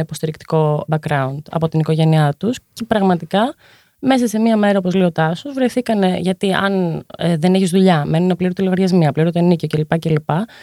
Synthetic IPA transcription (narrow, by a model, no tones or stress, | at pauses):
ipo̞st̪iɾikt̪i̥ko̞bɐkɾɐund̪ɐ̰po̞t̪iniko̞ʝe̞niɐt̪usce̞pɾɐɣmɐt̪ikɐ | me̞sɐse̞miɐme̞ɾɐo̞po̞zleo̞t̪ɐsuzvɾe̞jθikɐne̞ʝɐt̪iɐ̰neðe̞neçizðuʎɐme̞nunepliɾot̪ilo̞ɣɐɾʝɐzmiɐpliɾot̪onicocelipɐcelipɐ